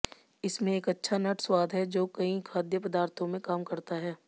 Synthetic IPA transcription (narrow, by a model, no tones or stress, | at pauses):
ɪsmẽeːkɐtːʃʰanɐʈswaːd̪ʱɦɛd͡ʒoːkɐĩkʰaːd̪jəpɐd̪aːɾt̪ʰõmẽkaːmkɐɾt̪aɦɛː